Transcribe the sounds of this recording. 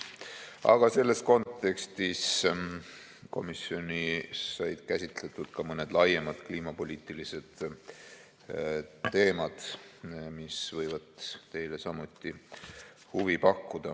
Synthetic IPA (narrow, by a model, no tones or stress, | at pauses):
ɑ̰ɡ̥ɑse̞lːe̞sko̞nt̪ːˑe̞kst̪is | ko̞̰misio̞nisɑjd̪̥kæsʲit̪let̪ˑud̪̥kɑmɤned̪̥lɑjemɑd̪̥kliːmɑpo̞lʲiːt̪ˑilise̞d̪̥ | t̪ːe̞ːmɑd̪̥misvɤjvɑd̪̥t̪e̞jlesɑmut̪ˑːi | huvipɑkːud̪̥ɑ